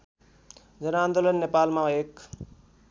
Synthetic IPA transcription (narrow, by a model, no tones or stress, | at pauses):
d͡zʌnand̪olənːepalmãek